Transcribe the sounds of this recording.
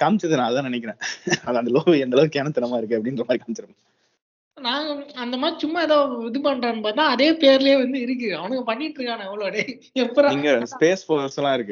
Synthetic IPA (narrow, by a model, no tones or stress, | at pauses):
kaːmt͡ʃːɐðɯnãːɐðɯt̪ãːnɐnɛɪk̬ːɐɾẽːɐðɐnd̪ɐloːʋɯɛnd̪ɐlɐʋɯkeːnɐt̪ːɯnɐmaːɪɾɯkːɯɐpːɐɽɪnɾɐmaːdɾikaːmt͡ʃɐɾɐm | naːŋɡɐɐnd̪ɐmaːd̪ɾit͡ʃʊmːaɛðoːʋɪðɯpɐɳreːnpoːðt̪ːãːɐðeːpeːɾɪlɐjeːʋɐnd̪ɯɪɾɯk̬ːɯɐʋɐnɐkːɯpɐɳːɪɪʈːɾɯŋɡaːnãːɛʋːɐɭoːɐɽe | ɛpːɐɾ̃ɪŋɡɐspeːsfoslːãːɪɾɯkːɯ